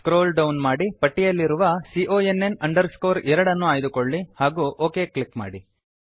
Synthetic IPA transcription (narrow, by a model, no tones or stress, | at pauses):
kɾoːlɖɐwnmaːɽipɐʈːijɐlːiɾuʋɐsiʔoːenːenɐɳɖɐɾsko̞ːɾɛɾɐɽɐnːuaːjd̪ukoɭːihaːɡuːʔoːkeːkɭikma̰ːɽi